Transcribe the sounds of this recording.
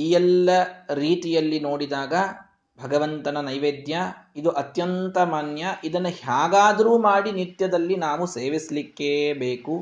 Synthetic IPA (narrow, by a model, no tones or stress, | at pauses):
ijɛlːɐɾiːt̪ijɐlːino̞ːɽid̪aːɡɐ | bʱɐɡɐʋɐnt̪ɐnɐnɐjʋeːd̪jɐid̪uʔɐt̪jɐnt̪ɐmaːnjɐʔid̪ɐnːɐhjaːɡaːd̪ɐɾuːmaːɽinit̪jɐd̪ɐlːinaːʋuseːʋislikːebeːku